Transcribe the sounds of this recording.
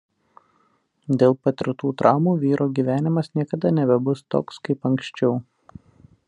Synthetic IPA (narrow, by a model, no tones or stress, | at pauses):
d̪ʲeːlˠpɐt̪ʲɪɾt̪uːt̪ɾʔɑˑʊmuːʋʲiːɾʔoːɡʲiːʋʲæːnʲɪmɐsnʲiɛkɐd̪ɐnʲɛbʲɛbʊst̪o̰ːkskɐɪpɐŋkʃʲt͡ʃʲɛʊ